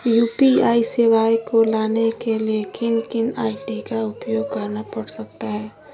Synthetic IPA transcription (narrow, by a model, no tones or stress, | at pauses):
juːpiaːisɪʋaːjkolaːnekeliekɪnkɪnaːɪʈikaʊpjoːɡ̚kəɾnapɐɽsɐk̚t̪aɦɛː